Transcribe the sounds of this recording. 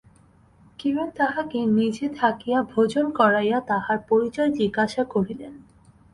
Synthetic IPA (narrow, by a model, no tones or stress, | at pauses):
kiboŋt̪aɦakenid͡ʑet̪ʰakijabʱod͡ʑonkɔɾajat̪aɦaɾpoɾit͡ɕɔed͡ʑiɡaʃakoɾilen